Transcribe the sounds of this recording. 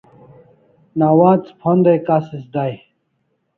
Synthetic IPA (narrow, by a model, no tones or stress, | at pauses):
nawaːt͡spʰond̪ejkasisd̪aj